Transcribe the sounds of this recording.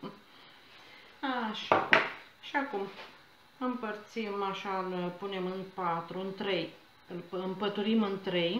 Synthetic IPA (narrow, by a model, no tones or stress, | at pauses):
aʃa | ʃiakum | ɨmpərt̪simaʃalpune̞mɨnpat̪ɾuɨnt̪ɾe̞j | ɨlpɨmpət̪uɾimɨnt̪ɾe̞j